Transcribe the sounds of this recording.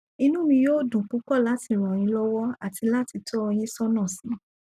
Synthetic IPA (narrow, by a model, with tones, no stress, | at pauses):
i˧nũ˦mĩ˧joː˦˨dũ˨ku˨˦kɔ˦˨la˦ti˨˧˨ɾ̃ɔ̃˨j̃ĩ˧˦lɔ˦wɔ˦a˨ti˧la˦ti˧tʰɔ˦ɔ˧j̃ĩ˦sɔ˦nã˦˨sĩ˨˦